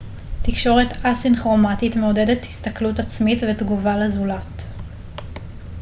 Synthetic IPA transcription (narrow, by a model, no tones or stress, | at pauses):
tikʃo̞ʁe̞tasinχʁo̞matitmeode̞dethist̪aklutat͡smitvetɡuvalezulat